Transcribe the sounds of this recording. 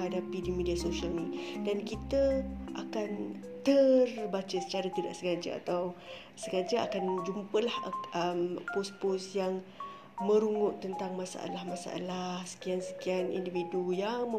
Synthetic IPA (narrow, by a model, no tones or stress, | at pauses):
ɦadapidimidiasoʃialnidankit̪əʔakan | t̪ərbat͡ʃəsət͡ʃaɾat̪ida̰ʔsəɡad͡ʒa̰a̰t̪aw | səɡad͡ʒaʔa̰kand͡ʒumpəlahəmposposjaŋ | mə̃ɾuŋʊʔt̪ːənt̪aŋmasa̰ʔa̰lahmasa̰ʔa̰lahsə̥kiansə̥kianḭndividujaŋmə